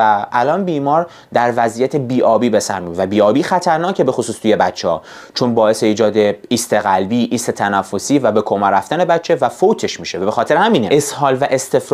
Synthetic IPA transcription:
æælɒːnbiːmɒːɾ | d̪æɾvæziːjæt̪ʰe̞biːʔɒːbiːbe̞sæ̰ɾmivæbiːɒːbiːxæt̪ʰæɾnɒːcʰe̞be̞xosuːst̪ʰuje̞bætt͡ʃʰːehɒ̰ː | t͡ʃʰo̞nbɒːe̞se̞iːd͡ʒɒːd̪eiːst̪eɣælbiːʔiːst̪e̞t̪ʰænæfːo̞siːvæbe̞kʰomæɾæft̪æne̞bætt͡ʃʰːe̞væfot̪ʰe̞ʃmiːʃevæbexɒːt̪e̞ɾehæmiːneeshɒːlvæʔe̞st̪e̞fɾ

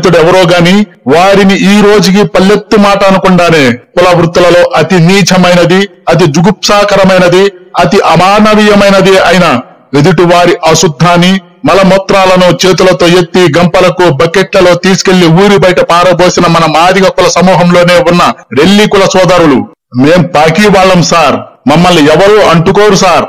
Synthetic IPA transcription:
t̪̬uɽɛʋɐɾoːɡaːni | ʋaːɾiniʔiːɾo̞ːd͡ʒuk̬ipɐlːet̪ːumaːʈɐɐnukuɳɖaːne̞ːkulɐʋɾut̪ːulɐlo̞ːʔɐt̪iniːt͡ʃʰɐmɐjnɐd̪iɐt̪̬id͡ʒuɡupsaːkɐɾɐmɐjnɐd̪iɐt̪iʔɐmaːnɐʋijɐmɐjnɐd̪iɐjinɐ | ed̪iʈuʋaːɾiʔɐʃud̪ʱːaːni | mɐlɐmɔt̪ɾaːlɐnut͡ʃe̞ːt̪̬ulɐt̪o̞ːjet̪ːiɡɐmpɐlɐkubɐkeʈlɐlo̞ːt̪iːsu̥ke̞lːiuːɾibɐjʈɐpaːɾɐbo̞ːsinɐmɐnɐmaːd̪iɡɐkːulɐsɐmuːɦɐmlo̞ːne̞ːunːɐɾe̞lːikulɐsɔːd̪ɐɾulu | me̞ːmpaːkiːʋaːɭːɐmsaːɾmɐmːɐlːiɛʋɐɾoːʔɐɳʈukoːɾusaːɾ

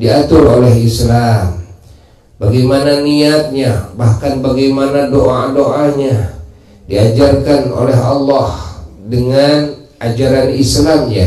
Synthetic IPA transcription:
diat̪ʊrolɛɦislam | baɡajmananiat̪̚ɲabahkanbaɡajmanadoʔadoʔaɲa | diad͡ʒarkano̰lɛɦɑlːɑhdəŋan | ʔad͡ʒaɾanislamja̰

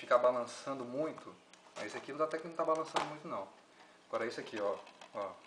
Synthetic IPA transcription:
fikabalɐ̃sɐ̃nd̪ʊmũj̃t̪ʰʊmɐ̰zisʊakinɐ̃at̪ɛkɪnɐ̃w̃t̪abalɐ̃sɐ̃nd̪ʊmũj̃t̪ʊnɐ̃w̃ | aɡ̥ɔɾɐisʊakiɔɔ

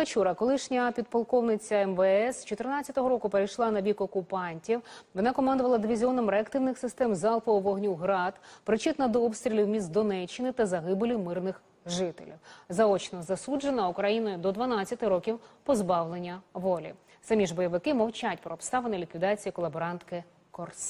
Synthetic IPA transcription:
ɐt͡ʃuɾɐkɔlˠɪʃnʲɐpʲid̪pɐlˠkɔwnɪt͡sʲɐɛmʋɛɛst͡ʃɔt̪ɪrnɑt͡sʲːɐt̪ɔɦɔɾɔkʊpeɾɐjʃlˠɑnɐbʲikɔkʊpɑnʲtʲiwʋɔnɑkɔmɑnd̪ʊʋɐlˠɐd̪ɪʋʲizʲiɔnɐmɾeɐkt̪ɪwnɪxsɪst̪ɛmzɑlˠfɔɔʋɔɦnʲuwɦɾɑd̪pɾɪt͡ʃɪt̪nɐd̪ɔɔpst̪ʲɾʲilʲiwmʲist̪̚d̪ɔnɛt͡ʃːɪnɪt̪ɐzɐɦɪbɪlʲimɪrnɪx | ʒɪt̪ḛlʲḭwzɐɔt͡ʃnɔzɐsud͡ʒenɐʊkɾɐjinɔjʊd̪ɔd̪ʋɐnɑt͡sʲːɐt̪ɪɾɔkʲiwpɔzbɑwlˠenʲːɐʋɔlʲḭ | sɐmʲiʒbɔjɐʋɪkɪmɐwt͡ʃatʲpɾɔːpst̪ɑʋenɐlʲikʋʲid̪ɑt͡sʲijɐkɔlˠɐbɔɾɑnt̪kɪ | kɔrs

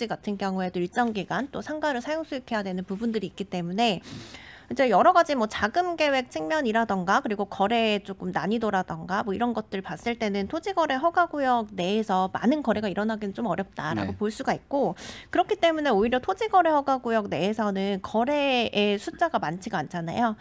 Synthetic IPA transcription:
iɡatʰɯnkjʌŋue̞doiɭt͡ɕ͈ʌŋɡiɡant͈osʰaŋɡaɾɯɭsʰajoŋs͈ʰuikʰe̞jadwe̞nɯnpubundɯɾiːk͈it͈e̞mune̞ | id͡ʑe̞jʌɾʌɡad͡ʑimwʌt͡ɕaɡɯmɡe̞we̞k̚t͡ɕʰiŋmjʌɲiɾadʌnɡakɯɾiɡokʌɾe̞t͡ɕok͈ɯmnaɲidoɾadʌnɡamwʌiɾʌnɡʌt̚t͈ɯɭpas͈ɯɭt͈e̞nɯntʰod͡ʑiɡʌɾe̞ɦʌɡaɡujʌk̚ne̞ːsʰʌma̰nɯnkʌɾe̞ɡaiɾʌnaɡinɯnt͡ɕomʌɾjʌp̚t͈aɾa̰ɡopoɭs͈uɡaik̚k͈okɯɾʌkʰit͈e̞mune̞oiɾjʌtʰod͡ʑiɡʌɾe̞hʌɡaɡujʌk̚ne̞ːsʰʌnɯnkʌɾe̞esʰut͡ɕ͈aɡamant͡ɕʰiɡant͡ɕʰana̰jo

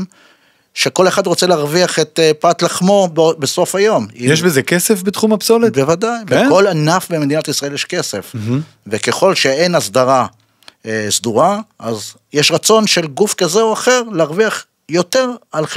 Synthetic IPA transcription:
m | ʃeko̞le̞χad̪ʁo̞t͡seleaʁviaχet̪epat̪laχmo̞bbeso̞fajo̞mijeʃbezekesefbet̪χumapsolebevad̪ajbekolanafbemed̪inatisʁaeljeʃke̞se̞f | veke̞χo̞lʃe̞enasd̪aʁa | sd̪uʁaʔaz | jeʃʁat͡so̞nʃelɡufkazeoaχe̞ʁleaʁviaχ | jo̞t̪e̞ʁal

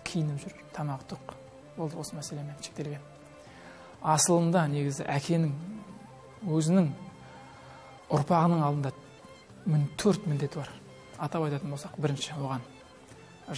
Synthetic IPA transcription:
kʲʰijɪnɪpʒʏɾt̪ʰɑmɑqt̪ʰʊq | bolˠd̪əwo̞səmæse̞lemenʃek̚t̪eɡʲe̞m | ɑsəlˠəmd̪ɑne̞ɡʲɪzɪ̰ʔækʲʰe̞nɪŋ | wɵzɪnɪŋ | ʊɾpɑʁənəɴɑlˠd̪ənd̪ɑ | mnt̪ʰɵɾt̪mɪnd̪e̞t̪ɪbɑɾ | ɑt̪ɑpɑjt̪ɑt̪ənbolˠsɑqbɪɾɪnʃɪwo̞ʁɑn

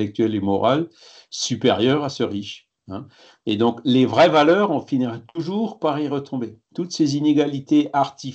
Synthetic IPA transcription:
lɛk̚t̪ɥɛlemɔʁa̰l | sypeʁjœʁasəʁiʃ | ɛ̃ | ed̪ɔ̃klevʁɛvalœːʁɔ̃finiʁɛt̪uʒuːʁpaʁiʁət̪ʰɔ̃bet̪ut̪sezineɡalit̪eʔaʁt̪i

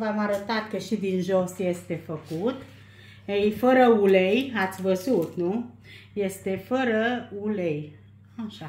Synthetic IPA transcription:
vamaɾət̪at̪̚kəʃid̪inʒosje̞st̪e̞fəkut̪ | ejfəɾəulejat̪sʲvəzut̪nu | je̞st̪e̞fəɾəulej | aʃa

